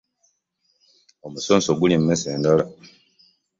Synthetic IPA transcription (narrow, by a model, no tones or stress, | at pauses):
o̞musoːnsoɡulimumeseːndala